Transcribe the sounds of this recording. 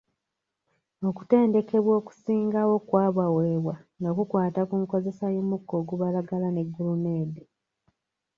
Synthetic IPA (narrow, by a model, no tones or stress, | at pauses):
o̞ku̥te̞ːnde̞ke̞βwo̞ːku̥siːŋɡawo̞kwaːβaweːβwaŋɡakukwaːtakuŋko̞ze̞sajomukːo̞ːɡuβalaɡalane̞ɡːulumeːde